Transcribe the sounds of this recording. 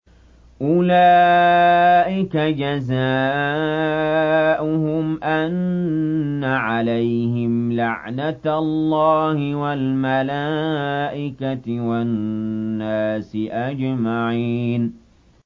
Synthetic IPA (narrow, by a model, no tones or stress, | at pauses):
ʔʊlaː | ʔɪkad͡ʒazaː | ʔʊhʊmʔanː | aʕalajhɪmlaʕnat̪lːɑːhɪwalmalaːʔɪkaɪwaː | aːsɪʔad͡ʒmaʕiːn